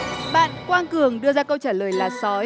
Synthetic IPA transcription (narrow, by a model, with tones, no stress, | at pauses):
ɓa̰ː˧˨nkwaː˧nkɨ˨˩əŋɗɨ˧əzaː˧kə˧wt͡ɕaː˧˩ləː˨˩jlaː˨˩sɔ˨˦